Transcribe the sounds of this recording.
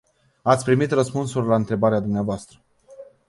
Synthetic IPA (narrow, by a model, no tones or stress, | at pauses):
at̪sʲpɾimit̪rəspunsurʲlaɨnt̪ɾe̞baɾead̪umneavoast̪ɾə